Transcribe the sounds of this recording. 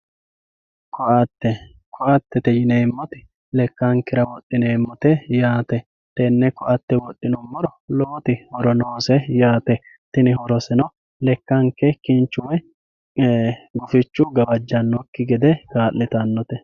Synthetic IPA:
kɔʔɐt̪ːɛ | kʰɔʔɐt̪ːɛt̪ɛjɪneːmːɔt̪ɪ | lɛkːɐŋkːɛɾɐwɔɗʼɪneːmːɔt̪ɛjaːt̪ɛ | t̪ɛnːɛkɔʔɐt̪ːɛwɔɗːɪnɔmːɔɾɔloːt̪ɪhɔɾɔnoːsɛjaːt̪ɛ | t̪ɪnɪhɔɾɔsɛnɔ | lɛkːɐŋkːɛkɪnt͡ʃːʊwɛ | ɡʊfɪt͡ʃːʊɡɐbɐd͡ʒːɐnːɔkːɪɡɛd̪ɛɡaːlːɪt̪ɐnːɔt̪ɛ

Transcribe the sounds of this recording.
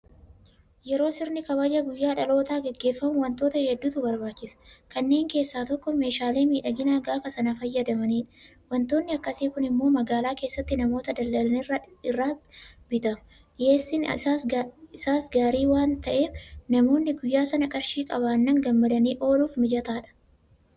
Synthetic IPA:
jɛɾo̞ːsɪɾnɪkɐβajːɐɡʊjːaːᶑɐlo̞ːt̪aːɡɛɡːe̞ːfːɐmʊwɐnt̪o̞ːt̪ɐhɛd̪ːuːt̪ʊbɐɾbaːt͡ʃːɪsɐ̥kɐnːe̞ːŋke̞ːsːaːt̪ɔkːɔme̞ːʃaːle̞ːmiːᶑɐɡɪnaːɡaːfɐsɐnɐfɐjːɐd̪ɐmɐniːᶑɐ̥ | wɐnt̪o̞ːnːɪɐkːɐsiːkʊnɪmːo̞ːmɐɡaːlaːke̞ːsːɐt̪ːɪnɐmo̞ːt̪ɐd̪ɐld̪ɐlɐnɪrːɐɪrːaːbɪt̪ɐmʊ | jeːsːɪn | ɪsaːsɡaːɾiːwaːnt̪ɐʔe̞ːfnɐmo̞ːnːɪɡʊjːaːsɐnɐkʼɐɾʃiːkʼɐβaːnːɐŋɡɐmːɐd̪ɐniːʔo̞ːluːfmɪd͡ʒɐt̪aːᶑɐ̥

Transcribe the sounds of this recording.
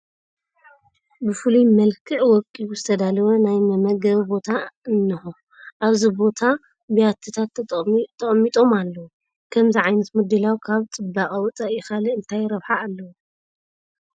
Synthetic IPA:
bɨfɨlumɐlkʰɨʕwɔkʼiwuzɨt̪ʰɐd̪alɐwɐnajmɐmɐɡɐβbo̞t̪ʰaɨnːɨxo | ʔaβzibo̞t̪ʰa | bɐjat̪ʰːɨt̪ʰat̪t̪ʰːɐχʼmːit̪ʼo̞malːɐwu | kʰɐmziʕajnɐt̪mɨd̪ːɨlawkʰaβt͡sʼɨbakʼɐwɨt͡sʼaʔjɪxalɐɨnt̪ʰajɾɐβħaːlːɐwu

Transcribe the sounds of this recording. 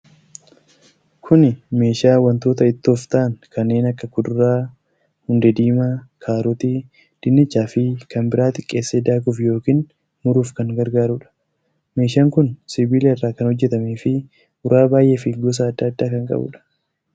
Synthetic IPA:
kʰʊnɪme̞ːʃaːwɐnt̪oːt̪ɐɪt̪ːoːft̪ɐʔɐŋkʰɐnːe̞ːnɐkːɐkʊd̪ʊɾaː | hʊnd̪ɛd̪iːmakʰaːɾɔt̪i | d̪̥ɪnːɪt͡ʃːaːfɪkɐmbɪɾʔaːt̪ɪkʼːe̞ːsːeːd̪aːkʊfjo̞ːkiːn | mʊɾuːfkɐŋɡɐɾɡaːɾuᶑɐ̥ | me̞ːʃaːŋkʊnsɪbiːleɐrːaːkɐnhɔd͡ʒːɛt̪ɐmeːfɪ | ʊɾaːbaːjʔeːfɪɡɔs̬ɐːd̪ːɐːd̪ːaːkɐŋkʼɐ̰bʊ̰ᶑɐ̥

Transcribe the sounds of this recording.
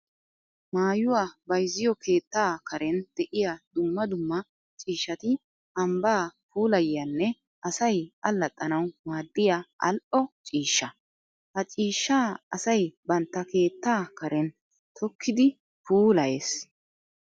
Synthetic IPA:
maːjʊwaːbɐjzɪjɔkʰe̞ːt̪ːaːkʰɐɾɛnd̪̥ɛʔɪjad̪̥ʊmːɐd̪ʊmːɐ | t͡ʃʼiːʃːɐt̪ɪ | ʔɐmbaːpuːlɐjɪjɐnːɛ | ʔɐsɐjʔɐlːɐt̪ʼːɐnɐwmaːd̪ːɪjaʔɐ̰lʔɔt͡ʃʼiːʃːɐ | hɐt͡ʃʼiːʃːaːɐsɐjbɐnt̪ːɐke̞ːt̪ːaːkɐɾɛn | t̪ʰɔkːɪd̪ɪ | puːlɐjeːs

